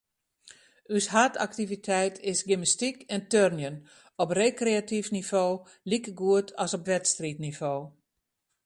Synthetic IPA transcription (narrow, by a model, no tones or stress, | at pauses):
yshata̰ktivitʰɛjtʰɪsɡɪməstikɛntørnjən | ɔpreːkreatifnivoː | likəɡuətʰɔsɔpʋɛtstritnivoː